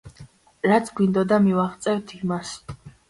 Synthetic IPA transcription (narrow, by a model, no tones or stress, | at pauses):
ɾat̪sʰɡwind̪ɔd̪amivaχt̪sʼɛvt̪ʰimas